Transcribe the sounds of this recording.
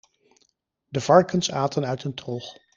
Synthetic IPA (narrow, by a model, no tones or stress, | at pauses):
dəv̥ɑɹkənsaːtənœɥtəntroχ